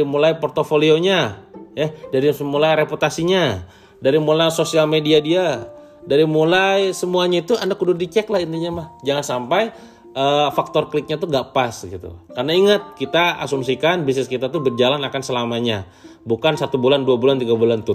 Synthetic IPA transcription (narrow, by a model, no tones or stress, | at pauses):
ɾimulajpɔrt̪ofolioɲajadaɾisəmulajɾeput̪asiɲa | daɾimulajsosialmediadia | daɾimulajsəmuaɲait̪uanakːudʊrdit͡ʃɛklahint̪iɲamahd͡ʒaŋansampaj | ʔəfak̚t̪ɔrklɪk̚ɲat̪uɡaʔpasɡit̪ṵkarnaiŋat̪̚kit̪aa̰sumsikanbis̬nɪskit̪at̪ubərd͡ʒalanakansəlamaɲa | bukansat̪ubulanduabulant̪iɡabulant̪ʊ